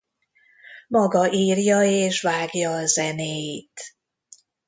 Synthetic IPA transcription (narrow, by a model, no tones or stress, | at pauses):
mɒɡɒʔiːrjɒeːʃvaːɡjɒːzɛneːjit̪